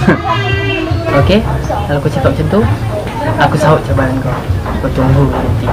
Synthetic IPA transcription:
okekaloakusipap̚t͡ʃənt̪u | akusaɦoʔ̚t͡ʃabaɾankɔ | kut̪uŋbuat̪i

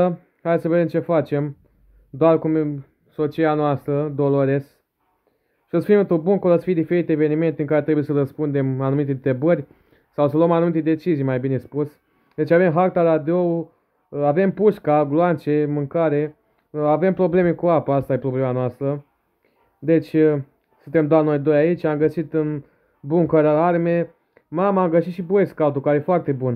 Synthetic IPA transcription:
ə | hajd̪esəve̞d̪emt͡ʃe̞fat͡ʃe̞m | d̪oarkum | so̞t͡ʃianoast̪ɾəd̪o̞lo̞ɾe̞s | ʃiəsfimɨnt̪ɾubunkolosə̥fid̪ife̞ɾit̪eeve̞nime̞nt̪eɨŋkaɾe̞t̪ɾebujesəɾəspund̪e̞manumit̪et̪ɾebərʲ | sawsəloəmanumit̪e̞d̪e̞t͡ʃizijmajbine̞spus | d̪e̞t͡ʃave̞mɦakt̪aɾad̪ow | ave̞mpuʃkaɡloant͡ʃe̞mɨŋkaɾe̞ | ave̞mpɾo̞ble̞me̞kuapaast̪aje̞pɾo̞ble̞manoast̪ɾə | d̪e̞t͡ʃʲ | sunt̪e̞md̪oano̞jd̪o̞jait͡ʃʲamɡəsit̪ɨn | buŋkəɾaarme̞ | mamaamɡəʃit̪ʃiboeskaut̪ukaɾejefoart̪e̞bun

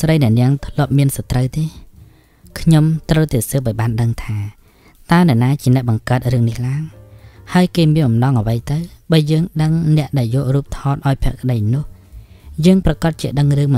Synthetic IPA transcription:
srəjnɛ̆əʔnɛəŋt̪ʰlŏəp̚miənsɑt̪rəwt̪eː | kʰɲomt̪rəwt̪aːsəːp̚ʔaɔjɓaːnɗəŋt̪ʰaː | t̪aənɛ̆əʔnaːt͡ɕiənɛ̆əʔɓɑŋkaːt̪̚rɨəŋnihlaəŋhaəjkeːmiənmɓɑmnɑŋʔəʋəjt̪ɨwɓaːjəːŋɗəŋnɛ̆əʔɗaɛljɔːʔruːp̚t̪ʰɑːt̪̚ʔaɔjpʰɛəʔkə̆ɗəjnʊ̆əh | jəːŋprɑkɑt̪̚t͡ɕiəɗəŋrɨəŋm

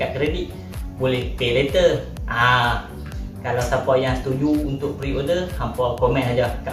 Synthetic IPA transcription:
aʔkɾediʔ̪̚ | bolɛhpelet̪əʔa | kalawsapɔjaŋt̪ud͡ʒuunt̪ʊʔ̚pɾiodəsampɔkomɛ̃nad͡ʒaka

